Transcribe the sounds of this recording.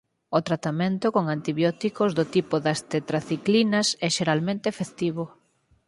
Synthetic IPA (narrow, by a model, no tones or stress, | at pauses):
ʊt̪ɾat̪amẽnt̪ʊkoŋant̪iβjɔt̪ikozðʊt̪ipoðɐst̪et̪ɾaθiklinɐsɛʃeɾalmẽnt̪ɪfeθt̪iβʊ